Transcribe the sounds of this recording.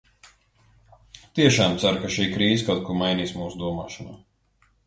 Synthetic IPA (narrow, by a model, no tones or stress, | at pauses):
t̪iɛʃaːmt̪saɾkaʃiːkɾiːzkawt̪̚kumajniːsmuːsud̪uɔmaːʃɔna̰ː